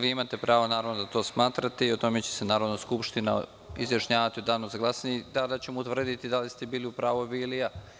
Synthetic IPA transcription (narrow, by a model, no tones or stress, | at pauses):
ʋiimat̪e̞pɾaːʋonaːɾaʋnod̪at̪o̞ːsmaːt̪ɾat̪eio̞t̪o̞me̞t͡ɕe̞̥se̞naːɾo̞d̪naskupʃt̪ina̰ | izjaʃɲaːʋat̪iod̪aːnozaɡlˠasnid̪ad̪at͡ɕe̞mout̪ʋr̩d̪it̪id̪alist̪e̞biːliupɾaːʋobiːlia